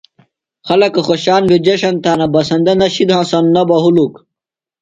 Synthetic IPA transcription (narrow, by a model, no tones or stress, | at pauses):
xɐlɐkɐxoɕaːnbed͡ʑɐɕɐnt̪aːnɐbɐsɐnd̪ɐnɐɕid̪ɦãːsɐnnɐbɐɦuluk